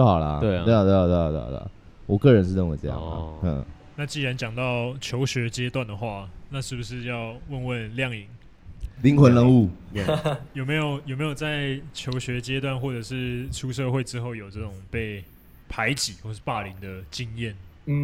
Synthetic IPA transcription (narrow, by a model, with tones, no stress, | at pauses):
t͡ɕjo˥ʊxɑ˨˩ʊlɐ̰˦e˥˧e˥˧˩t̪e˥˧˩t̪t̪t̪ | wɔ˨˩kɤ˥˨ɻə˧˦nʂ̬̩˥˧ɻə˥˩nwe˧˦ʈ͡ʂə˥˧˩jɑ̰˥˨ŋ̰˨˩ə̰˥˩ | na˥˧t͡ɕi˥˩ɻa˧˦nt͡ɕjɑ˨˩ŋt̪ɑ˥˩ʊt͡ɕʰjo˧˦ʊɕɥɛ˧˥t͡ɕjɛ˥t̪wa˥˩nd̪ə˩xwa˥˩na˥˧ʂɻ̩˥˩bu˩ʂ̬ɻ̩˥˧jɑ˥˧ʊwə˥˧nwə˥˨nljɑ˥˨ŋi˨˩˦ŋ | li˧˥ŋxwə˧˦nlə˧˥ŋu˥˩˥ | jo˨˩ʊme˧˥ɪjo˨˩ʊjo˨˩me˧˦˥jo˨ʊt͡sa˥˨ɪt͡ɕʰjo˧˦ʊɕɥɛ˧˥˧t͡ɕjɛ˥t̪wa˥˧nxwɔ˥˩ʈ͡ʂɤ˨˩ʂɻ̩˥˩ʈ͡ʂʰu˥ʂɤ˥˧xwe˥˩ɪʈ͡ʂɻ̩˦xo˥˩ʊjo˨˩ʊʈ͡ʂɤ˥˩ʈ͡ʂʊ˨˩ŋpe˥˩ɪ | pʰa˧˦ɪt͡ɕi˨˩˦xwɔ˥˩˨ʂɻ̩˥˧pa˥˩li˧˥ŋd̪ə˨t͡ɕi˦˥ŋjɛ˥˩n